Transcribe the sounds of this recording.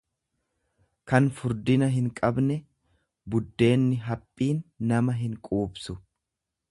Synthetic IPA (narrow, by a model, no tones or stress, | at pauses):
kɐnfʊɾd̪ɪnɐɦɪŋkʼɐbnɛ | bʊd̪ːe̞ːnːɪɦɐpʼːiːnːɐmɐɦɪŋkʼuːbsʊ